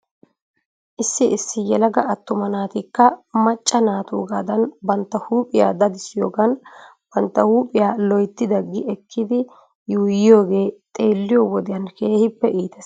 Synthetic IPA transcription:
ʔɪsːɪʔɪsːɪjɛlɐɡɐɐt̪ːʊmɐnaːt̪ɪkːɐmɐt͡ʃʼːɐnaːt̪ṵːɡaːd̪ɐnbɐnt̪ːɐhuːpʼɪja̰ːd̪ɐd̪ɪsːɪjo̞ːɡɐn | b̥ɐnt̪ːɐhuːpʼɪjaːlɔjt̪ːɪd̪ɐɡːɪɛkʰːɪd̪ɪ | juːjɪjo̞ːɡe̞ːt̪ʼe̞ːlːɪjowɔd̪ɪjɐnke̞ːhɪpːɛʔiːt̪ɛs

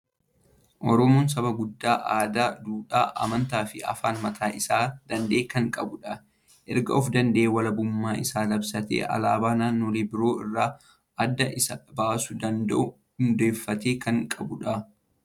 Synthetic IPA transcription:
ʔɔɾɔmoːns̬ɐβɐɡʊd̪ːaːʔaːd̪aːd̪uːᶑaːʔɐ̰mɐnt̪aːfɪɐ̰faːnmɐt̪ʰaːʔɪsaːd̪̥ɐnd̪e̞ːkɐŋkʼɐbʊᶑɐ | ʔɛɾɡɐ̰ʔɔfd̪ɐnd̪ɐʔeːwɐlɐbʊmːaːɪsaːlɐbsɐt̪ḛːʔɐ̰laːbaːnaːnːoːlɪbɪɾo̞ːɪrːaː | ʔɐd̪ːɐʔɪsɐbaːsʊd̪ɐnd̪ɐʔʊ | ʊnd̪eːfːɐt̪eːkɐŋkʼɐbʊᶑɐ

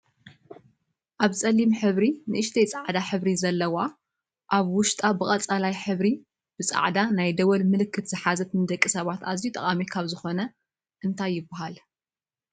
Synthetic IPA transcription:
ʔaβt͡sʼɐlːimħɨβɾinɨʔɨʃt̪ʰejt͡sʼaʕd̪aħɨβɾizɐlːɐwa | ʔaβwʊʃt̪ʼabɨχʼɐt͡sʼalajħɨβɾi | b̥ɨt͡sʼa̰ʕd̪anajd̪ɐwɐlmɨlɨkʰːɨt̪z̥ɨħazɐt̪ʰɨnɨd̪ɐkʼːisɐβat̪aziut̪ʼɐχʼamikʰaβzɨxo̞nɐ | ʔɨnt̪ʰajːɪbaɦal

